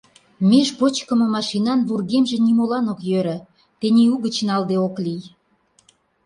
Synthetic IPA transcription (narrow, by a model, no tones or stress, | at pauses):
meʃpot͡ɕkə̆mɤ̆mɑʃinɑnβurɣemʒĕnimolɑnokjøɾə̆ | t̪eniuɣə̆t͡ɕnɑld̪eoklij